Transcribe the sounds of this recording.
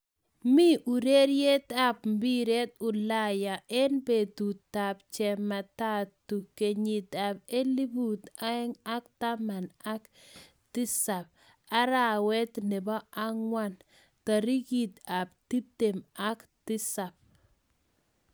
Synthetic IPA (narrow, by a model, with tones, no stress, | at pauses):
mi˦ʔu˨ɾe˦ɾje˦t̪a˦p̚mbi˦ɾe˦t̪ʊ˨la˦ja˨ʔɛ˦nbe˨tu˨ta˨p̚t͡ʃɛ˨ma˨ta˦tːu˨ke˨ɲi˨ta˨pe˦li˦bu˨t̪a˦ŋa˦kta˦ma˨na˦k | tɪ˦sa˨p̚ | a˦ɾa˨wɛ˦tnɪ˨bɔ˦a˦ŋwa˦n | ta˨ɾi˦ɡi˨t̪a˨p̚ti˦te˨ma˦ktɪ˦sa˨p̚